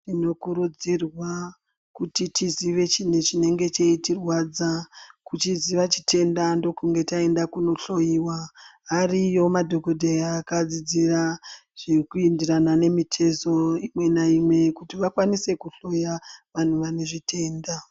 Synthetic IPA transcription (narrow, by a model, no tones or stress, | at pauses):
tino̞kuɾud͡zirwa | kutitiziʋe̞t͡ʃine̞t͡ʃine̞ŋɡe̞t͡ʃeitirwad͡zakut͡ʃiziʋat͡ʃitʰe̞ndando̞kuŋɡe̞tae̞ndakuno̞ɬo̞jiwaɦarijo̞madʱo̞ko̞dʱeaːkad͡zid͡ziraʐ̥ikuindiranane̞mitʰe̞zo̞imwe̞naimwe̞kutiʋakwanise̞kuɬo̞jaʋan̤uʋane̞ʐitʰe̞ːnda